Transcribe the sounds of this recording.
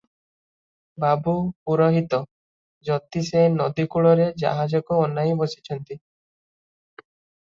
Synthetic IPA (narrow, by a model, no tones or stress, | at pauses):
babupuɾɔɦit̪ɔ | d͡ʒɔt̪isenɔd̪ikuɭɔɾed͡ʒa̰ɦad͡ʒɔkɔːnaĩbɔsi̥t͡ʃʰɔnt̪i